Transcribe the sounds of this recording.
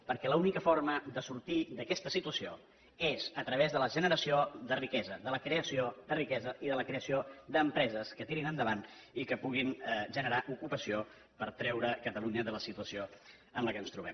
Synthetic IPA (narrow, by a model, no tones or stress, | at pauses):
pəɾkɛləunikəfoɾməd̪əsuɾt̪id̪əkɛst̪əsit̪uəsio | ezət̪ɾəβ̞ezðələʒənəɾəsioðərikɛzəðələkɾeəsiod̪ərikɛzəʔiðələkɾeəsiod̪əmpɾɛzəskət̪iɾinənd̪əβ̞an | ikəpuɣ̞inʒənəɾaʔukupəsio | pəɾt̪ɾɛwɾəkət̪əluɲəðələsit̪uəsio | ənləkənst̪ɾuβ̞ɛm